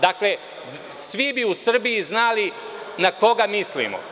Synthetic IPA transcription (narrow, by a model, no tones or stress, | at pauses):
d̪akle | sʋibiusr̩bijiznali | nako̞ɡamislḭmo̰